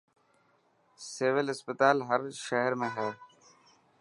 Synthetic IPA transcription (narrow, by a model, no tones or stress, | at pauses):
seːʋɪlɪspət̪aːlɦəɾʃəɦəɾmẽːɦɛː